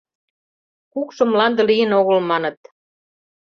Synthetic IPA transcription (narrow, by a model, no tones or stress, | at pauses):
kukʃɤ̆mlɑnd̪ɤ̆lijə̆noɣə̆lmɑnɤ̆t̪̚